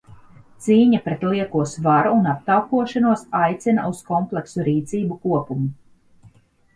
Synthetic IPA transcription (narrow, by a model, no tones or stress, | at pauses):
t̪siːɲapɾet̪lˠiɛkuɔsvaɾuːnap̚t̪awkuɔʃanuɔsajt̪sina̰ʔuskɔmplˠeksuɾiːt̪siːbukuɔpumu